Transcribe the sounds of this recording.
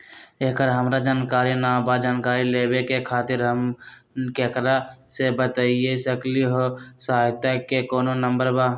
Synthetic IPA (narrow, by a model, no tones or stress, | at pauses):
eːkəɾɦəmɾad͡ʒaːnkaːɾinabad͡ʒaːnkaːɾileːbekekʰaːt̪ɪɾɦəm | kekɾasebət̪aiesəkliɦosɦaːjt̪akekoːnonə̃mbəɾba